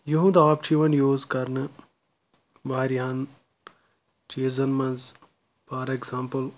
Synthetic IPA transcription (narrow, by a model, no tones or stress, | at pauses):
juɦũd̪aːp̚t͡ʃʰiʋɐnjoːzkɐɾnɨ | ʋaːɾjan | t͡ʃiːzɐnmɐ̃nz | paːɾekzaːmpəl